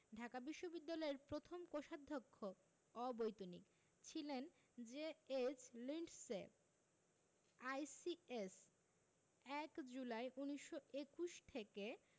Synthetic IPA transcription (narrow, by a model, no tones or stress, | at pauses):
ɖʱakabiʃːobid̪ːalɔeɾpɾot̪ʰomkoʃad̪ʱːokʰːo | ɔbojt̪onḭk | t͡ɕʰilen | d͡ʑeet͡ɕliɳɖse | ajsies | ɛkd͡ʑulajʔuniʃːoekuʃt̪ʰeke